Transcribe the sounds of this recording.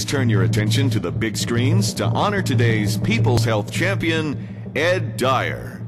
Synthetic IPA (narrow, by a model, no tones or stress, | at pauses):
z̥tʰɜ̃˞njə˞ɨtʰɛ̃nʃɨ̃ntɨðəbɪɡskɹĩnz̥tʰə̰ʔɑnə˞tʰɨdeɪz̥pʰipl̩ˠz̥hɛlˠθt͡ʃʰæ̃mpiɨ̃n | ɛdaɪə̰˞